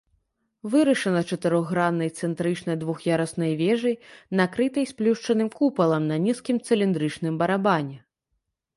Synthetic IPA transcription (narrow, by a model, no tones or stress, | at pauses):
vɨɾɐʂɐnɐt͡ʂɐt̪ɨɾɔɣɣɾanːɐjt̪sɛnt̪ɾɨt͡ʂnɐjd̪vuxjaɾɐsnɐjvʲɛʐɐjnakɾɨt̪ɐjsplʲuʂt͡ʂɐnɨmkupɐlˠɐmnɐnʲiskʲimt̪sɨlʲind̪ɾɨt͡ʂnɨmbɐɾabanʲɛ